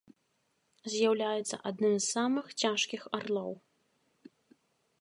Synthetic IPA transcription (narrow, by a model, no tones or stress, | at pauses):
zʲjawlʲajɛt̪sːɐ̰ʔad̪nɨmssamɨxt͡sʲaʂkʲixarlˠɔw